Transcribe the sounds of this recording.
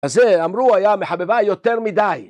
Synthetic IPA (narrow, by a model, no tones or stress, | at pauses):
azeamɾuajameħabevajot̪eɾmid̪aj